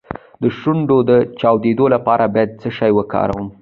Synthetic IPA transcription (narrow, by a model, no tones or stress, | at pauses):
d̪əʃuɳɖod̪ət͡ʃɑwd̪ed̪olapɑɾabɑjad̪̚t͡səʃɑjwəkɑ̰ɾa̰wəm